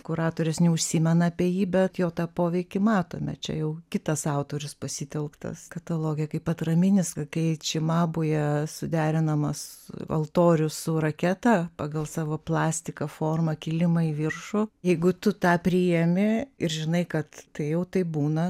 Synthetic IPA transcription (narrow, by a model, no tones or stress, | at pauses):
kʊɾɑːt̪oːɾʲɪsnʲɛʊʃʲsʲiːmʲɛnɐɐpʲiɛjiːbʲɛt̪joːt̪ɑːpoːʋʲɛɪkʲɪmɑːt̪oːmʲɛ̰t͡ʃʲɛ̰jɛʊkʲɪt̪ɐsɑʊt̪oːɾʲʊspɐsʲit̪ʲɛlˠkt̪ɐ̰skɐt̪ɐlˠoːɡʲɪjɛkɐɪpɐt̪rɐmʲɪnʲɪskɐkɐɪt͡ʃʲɪmɑːbʊjɛsʊd̪ʲæːɾʲɪnɐmɐsɐ̰lˠt̪oːɾʲʊsʊrɐkʲɛt̪ɐpɑːɡɐlˠsɑːʋoːplˠɑːsʲt̪ʲɪkɐfoːrmɐkʲɪlʲɪmɐiʋʲɪrʃʊjɛɪɡʊt̪ʊt̪ɑːpʲɾʲijɛmʲɪɪɾʒʲɪnɐɪkɐt̪t̪ɐɪjɛʊt̪ɐɪpbuːnɐ